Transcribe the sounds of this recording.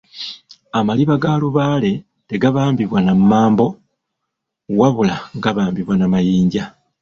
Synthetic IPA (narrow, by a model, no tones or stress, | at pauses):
amaliβaɡaluβaːle̞ | teɡaβaːmbiβwanamaːmbo̞ | waβulaŋɡaβaːmbiβwanamajiːɲɟa